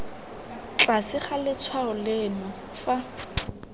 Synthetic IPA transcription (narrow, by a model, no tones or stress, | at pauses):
t͡ɬasɪχalɪt͡sʰwaʊlɪnɔ | fa